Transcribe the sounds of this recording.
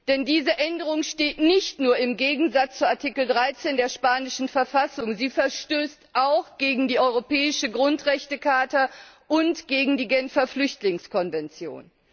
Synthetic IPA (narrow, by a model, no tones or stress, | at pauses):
d̥ɛndiːzəʔɛndəʁ̞ʊŋʃteːtnɪçtnuːɐɪmɡeːɡŋ̩zat͡st͡suaɐtʰikl̩dʁaɪt͡seːndeːɐʃpaːnɪʃn̩fɛɐfasʊŋziːfɛɐʃtøːstʔaʊxɡ̥eːɡŋ̩diːʔɔʏʁopɛːɪʃəɡʁʊntʁɛçtəkʰaːtɐʔʊntɡ̥eːɡŋ̩diːɡɛnfɐflʏçtlɪŋskʰɔnvɛnt͡sjo̰ːn